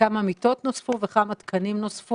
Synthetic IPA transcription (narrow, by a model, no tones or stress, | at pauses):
amamit̪o̞t̪nosfuveχamat̪kʰanimnosfu